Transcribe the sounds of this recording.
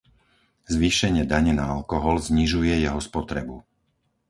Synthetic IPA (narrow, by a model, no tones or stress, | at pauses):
zʋiʃɛɲɪɛd̪aɲɛnaalkɔɦɔlzɲiʒujɛjɛɦɔspɔt̪ɾɛbu